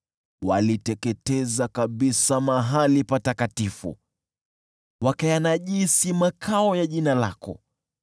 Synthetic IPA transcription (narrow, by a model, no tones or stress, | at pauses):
walitɛkɛtɛzakaɓisamaɦalipatakatifṵ | wakajanaʄisimakʰaɔjaʄinala̰kɔ̰